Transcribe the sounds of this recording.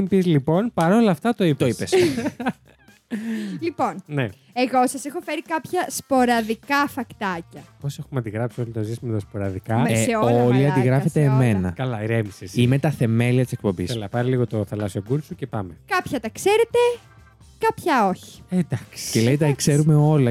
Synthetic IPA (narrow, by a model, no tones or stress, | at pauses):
mpizlipo̞npɐɾo̞lɐːft̪ɐt̪oit̪oipes | lipo̞nne | eɣosɐsexo̞fe̞ɾikɐpçɐspo̞ɾɐðikɐfɐkt̪ɐcɐpo̞se̞xumɐnd̪iɣɾɐpsio̞lit̪ozismet̪ɐspo̞ɾɐðikɐmseoliɐnd̪iɣɾɐfe̞t̪eːme̞nɐkɐlɐɾemisesime̞t̪ɐθe̞me̞liɐt̪ise̞k̚po̞biselɐpɐɾiliɣo̞t̪oθɐlɐsio̞ɡuɾsucepɐmekɐpçɐt̪ɐkse̞ɾet̪e̞ | kɐpçɐoçi̥ed̪ɐksi̥cele̞jt̪ɐkse̞ɾume̞o̞lɐ